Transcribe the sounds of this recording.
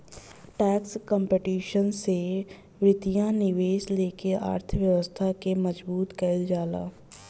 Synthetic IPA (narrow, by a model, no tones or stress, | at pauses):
ʈɛːkskə̃mpeʈiːʃənse | ʋɾɪt̪ijãnɪʋeːʃleːkeʔa̰ːɾt̪ʰəʋjəʋəst̪ʰakemɐd͡ʒbuːt̪kəld͡ʒaːla̰ː